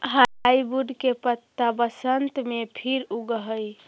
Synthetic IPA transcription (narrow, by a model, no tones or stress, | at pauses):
ɦajbuɖkepət̪ːabəsənt̪mepʰiɾuɡəɦəj